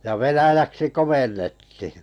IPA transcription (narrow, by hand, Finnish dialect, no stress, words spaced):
jɑ ʋenæjæksi komenːetːihi̥